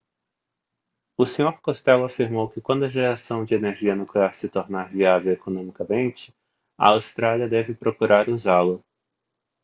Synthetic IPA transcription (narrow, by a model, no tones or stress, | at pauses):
ʊsẽɲoɾkost̪ɛlʊafiɾmowkɪkwɐ̃nd̪ʊɐʒeɾasɐ̃w̃d͡ʒɪeneɾʒiɐnukleaɾsɪt̪oɾnaɾviavewekonõmikɐmẽnt͡ʃɪ̥ | ɐ̰awst̪ɾaliɐd̪ɛvɪpɾokuɾaɾuzalʊ